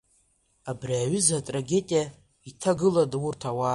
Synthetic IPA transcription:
abriaɥʏzatʼraɡʲe̞tʼija | itʰaɡɨladwurtʰawa

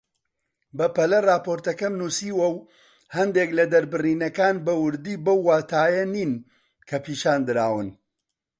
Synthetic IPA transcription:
bɐpɐlɐraːpoɾt̪ɐkɐmnusiːwɐw | hɐnd̪eːklɐd̪ɐɾbɨriːnɐkaːnbɐwʊɾd̪iːbɐwːaːt̪ʰaːjɐniːn | kʰɐpiːʃaːnd̪ɨɾaːwɨn

